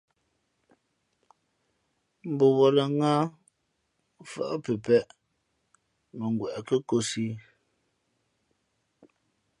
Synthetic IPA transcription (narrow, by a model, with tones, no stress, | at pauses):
m̩˨bo˨wɔ˨lə˨ŋa˦ | fə̰˦ʔpə˨pɛ˦ʔ | mə˨ŋ˨ɡwɛ˨ʔkə˦ko˦si˦